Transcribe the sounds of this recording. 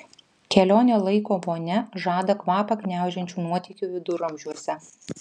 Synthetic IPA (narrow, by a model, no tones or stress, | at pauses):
kʲɛlʲoːnʲoːlˠɐɪkoːʋoːnʲɛʒɑːd̪ɐkʋɑːpɐkʲnʲæˑʊʒʲɛnʲt͡ʃʲuːnuɔt̪ʲiːkʲuːʋʲɪd̪ʊɾɐmʲʒʲuɔsʲɛ